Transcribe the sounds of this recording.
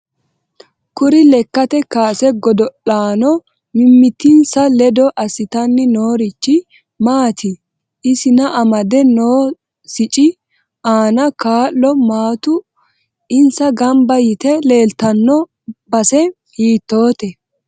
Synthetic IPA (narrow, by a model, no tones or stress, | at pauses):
kʊɾɪlɛkːɐt̪ɛkaːsɛɡɔd̪ɔʔaːnɔ | mɪmːɪt̪ːɪnsɐlɛd̪ɔʔɐsɪt̪ɐnːɪnoːɾɪt͡ʃːɪ | maːt̪ʰɪ | ɪsɪnɐʔɐmɐd̪ɛnoː | sɪt͡ʃʼɪ | ʔaːnɐkaːlːɔmaːt̪ʊ | ɪnsɐɡɐmbɐjɪt̪ɛle̞ːlt̪ɐnːɔ | bɐsɛ | hiːt̪ːo̞ːt̪ɛ